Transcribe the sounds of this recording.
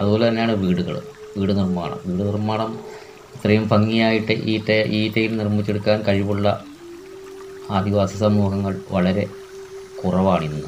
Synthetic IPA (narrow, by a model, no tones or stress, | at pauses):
ɐðɨbolɐt̪ɐnːeaːɳɨʋiːɽuɣɐ̰ɭɨ̰ | ʋiːɽɨnirma̰ːɳɐ̰mʋiːɽɨnirmaːɳɐm | ɐt̪rɐjumfɐŋːijaːjiʈːɨʔiːtːɐʔiːtːɐjilnirmːit͡ɕːeɽukːaːnkɐɻiʋuɭːɐ̰ | aːd̪ʱiʋaːsɐsɐmuːɣɐŋːɐɭʋɐɭɐɾe̞ | kurɐʋaːɳiɾunːuðɨ